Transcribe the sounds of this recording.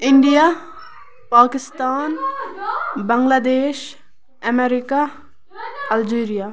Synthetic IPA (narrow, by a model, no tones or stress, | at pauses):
ɪɳɖijaː | paːkɪst̪aːn | bɐ̃ŋɡlaːd̪eːʃ | ɐmeɾɪka | ɐld͡ʒeːɾijaː